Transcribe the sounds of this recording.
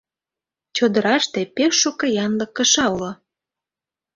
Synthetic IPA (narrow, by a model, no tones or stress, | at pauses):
t͡ɕod̪əɾɑʃt̪epeʃːukɤ̆jɑnləɤ̆kːə̆ʃɑulo